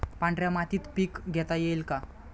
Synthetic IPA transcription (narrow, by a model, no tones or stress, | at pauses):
paɳɖɾjamat̪iːt̪piːkɡʱɛt̪ajejlka